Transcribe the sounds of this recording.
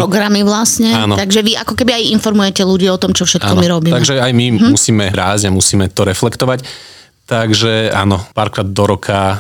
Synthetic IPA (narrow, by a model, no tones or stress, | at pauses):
ɾɔɡɾamiʋlasɲɛaːnɔt̪aɡʒɛʋiʔakɔkɛbiajinfɔɾmujɛcɛluɟiːɔt̪ɔmt͡ʃɔfʃɛt̪akːɔnmiɾɔbiːt̪aɡʒɛajmimusiːmɛɾaːzɟamusiːmɛt̪ɔɾɛflɛkt̪ɔʋac | t̪aɡʒɛa̰ːnɔpaːɾkɾaːd̪̚d̪ɔɾɔkʰa